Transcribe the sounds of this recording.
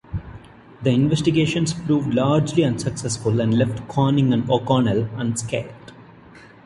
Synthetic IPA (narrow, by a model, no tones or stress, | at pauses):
d̪əɪ̃nʋɛsʈiɡeːʃə̃nspɾuːʋɖlaːɾd͡ʒliʌ̃nsəksɛsfʊlæ̃ɳɖlɛfʈkʰɔːnɪ̃ŋæ̃noːkɔːnələ̃ɳskeːlʈ